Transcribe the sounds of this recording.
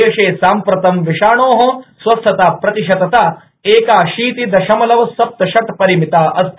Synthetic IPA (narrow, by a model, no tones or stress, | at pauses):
jʃeːsaːmpɾɐt̪ɐmʋiʂaːɳoːɦɐsʋɐst̪ʰɐt̪aːpɾɐt̪iʃɐt̪ɐt̪a | eːkaːʃiːt̪id̪ɐʃɐmɐlɐʋɐsɐp̚t̪ɐʃɐt̪pɐɾimit̪aːʔɐst̪ʰ